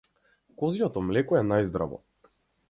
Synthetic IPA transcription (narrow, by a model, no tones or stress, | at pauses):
kɔzijɔt̪ɔmlɛkɔɛnajzd̪ɾa̰vɔ̰